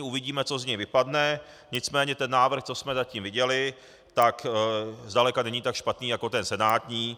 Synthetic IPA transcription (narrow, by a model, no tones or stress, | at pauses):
uvɪɟiːmɛt͡so̞zɲɛjvɪpadnɛ | ɲɪt͡smɛːɲɛt̪ɛnːaːvr̩xt͡so̞smɛzaciːmvɪɟɛlɪ | t̪akzdalɛkanɛɲiːt̪akʃpat̪niːjako̞t̪ɛnsɛnaːt̪ɲiː